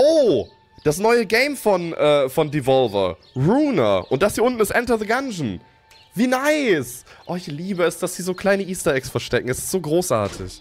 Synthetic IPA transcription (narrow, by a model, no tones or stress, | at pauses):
ʔoː | d̥as̬nɔʏəɡeɪmfɔnʔɛːfɔndivɔlvɐ̰ | ʁuːnɐ̰ʔʊnt̚d̥ashiːɐʊntn̩ɪstʔɛntɐðəɡanʒn̩ | viːnaɪsʔoːɪçliːbəɛsd̥asz̥iːzoːkʰl̥aɪnəʔiːstɐɛksfɛɐʃtɛkŋ̩ɛsɪ̥stz̥oːɡʁoːsʔa̰ːɐtʰɪ̰ç